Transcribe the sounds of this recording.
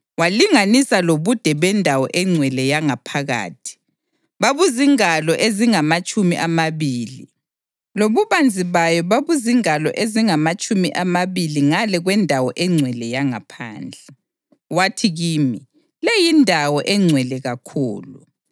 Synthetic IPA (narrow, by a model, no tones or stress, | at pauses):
waliŋanisaloβud̥ʱɛβɛndʱawɔ̰ʔɛŋ͡ǀʱwɛlɛjaŋapʰaɣa̰ːtʰi̥ | βaβuziŋalɔʔeziŋamat͡ʃʼumiʔamaβiːlḭ | loβuβand͡zʱiβajɔβaβuziŋalɔ̰ʔeziŋamat͡ʃʼumiʔamaβiliŋalɛɣwɛndʱawɔʔɛŋ͡ǀʱwɛlɛjaŋa̰pʰa̰ːnd͡ɮʱɛ | watʰiɣiːmi | lejindʱawɔʔɛŋ͡ǀʱwɛlɛɣakʰṵːlṵ